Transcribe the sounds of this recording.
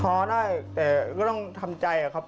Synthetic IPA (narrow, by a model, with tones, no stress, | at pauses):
ɔː˨˩˦daː˥˩jt̪ɛː˨˩kɔː˥˩t̪ɔ˥˩ŋt̪ʰa˧mt͡ɕa˧jʔa˨˩kʰa˦˥p̚